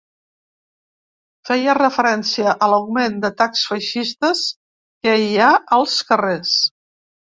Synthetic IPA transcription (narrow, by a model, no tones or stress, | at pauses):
fɛjərəfəɾɛnsiəʔələwmend̪ət̪aksfəʃist̪əs | kəiaəlˠskəres